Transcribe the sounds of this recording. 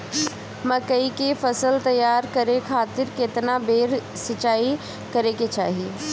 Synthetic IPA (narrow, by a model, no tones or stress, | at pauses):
mɐkəikefɐsəlt̪ɐjːaːɾkɐɾekʰaːt̪ɪɾkɪt̪nabeːɾ | sɪt͡ʃaːi | kɐɾeket͡ʃa̰ːɦie